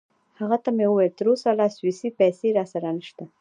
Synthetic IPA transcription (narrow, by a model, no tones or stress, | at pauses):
haɣat̪amewəwejlt̪əɾosalɑswisipajseɾɑsaɾanəʃt̪a